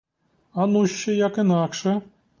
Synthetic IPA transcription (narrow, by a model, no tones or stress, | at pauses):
ɑnuɕːɘ̆jɑkɘ̆nɑkʂɘ̆